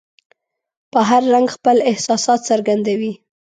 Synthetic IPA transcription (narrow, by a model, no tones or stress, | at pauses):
pəɦaɾːaŋɡxpəlɪhsɑsɑt̪saɾɡand̪awi